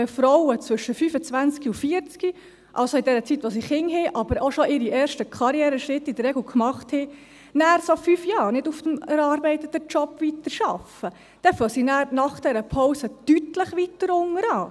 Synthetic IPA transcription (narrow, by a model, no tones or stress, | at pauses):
əfɾɔwət͡svɵʃəfyːfət͡sʋænt͡skiufiəɾt͡ski | ʔɑ̰lsoidɛɾət͡sitːʋos̬iχhɪŋɦɛʔɑbəɾoʃoʔɪɾiʔɛːɾʃtəkʰɑɾjɛːɾəʃɾɪtːid̪əɾːɛɡl̩kmɑχthɛ | næːɾsofyfjɑːɾnɪduft̪əmɛɾɑɾbɛɪt̪ət̪ːət͡ʃɔpʋit̪əɾʃɑfə | d̥ɛfœsinæːɾnɑχd̥ɛɾəpʰɔwsəd̥ytləχʋitəɾʊŋəɾɑː